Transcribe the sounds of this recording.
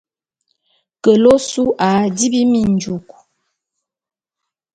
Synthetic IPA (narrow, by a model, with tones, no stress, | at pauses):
kə˨lo˦su˦ʔa˨˦di˦bi˦mi˦˨n˨d͡ʒu˨k